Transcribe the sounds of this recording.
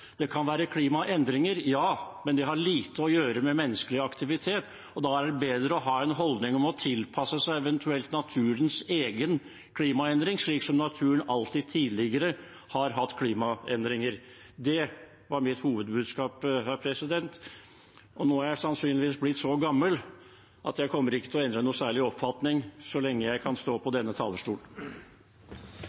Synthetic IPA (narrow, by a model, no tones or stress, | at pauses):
d̪̥ɛkʰɑnʋæːɾəkʰliːmɑʔɛnd̪ɾɪŋəɾjɑːmɛnd̪ɛɦɑɾɭiːt̪əɔjøːɾəmɛmɛnːəskəlɪɑkt̪ʰɪʋɪt̪ʰeːt̪ | ɔd̪ɑæɖɛbeːd̪ɾəɔɦɑːɛnɦɔld̪nɪŋɔmɔt̪ʰɪlpʰɑsːəsæɪɛʋɛnt̪ʰʉɛlt̪nɑt̪ʰʉːɾənseːɡən | kʰliːmɑɛnd̪ɾɪŋʂɭiːksɔmnɑt̪ʰʉːənɑlt̪ʰiːd̪̚t̪ʰiːd̪lɪɡəɾə | hɑɾɦɑt̪ːkʰliːmɑɛnd̪ɾɪŋəɾ | d̪ɛ | ʋɑɾmɪt̪huːʋəd̪̚bʉːd̪skɑːphæɾpʰɾɛsɪd̪ɛnt̪ | ɔnoːææsɑnsyːnlɪʋiːsblɪt̪sɔɡɑmːəl | ʔɑ̰t̪jæɪkʰɔmːəɾɪkːət̪ʰɪlɔɛnd̪ɾənuːsæːɭɪɔpfɑt̪nɪŋsɔlɛŋːəjæɪkʰɑnst̪oːpʰɔd̪ɛnːət̪ʰɑ̰ːləʂʈuːl